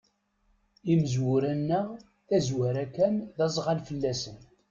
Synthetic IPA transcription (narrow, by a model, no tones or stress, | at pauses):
iməzwʊɾænːəʁ | θæzwæɾækːænðɑzˤʁalfəlːæsən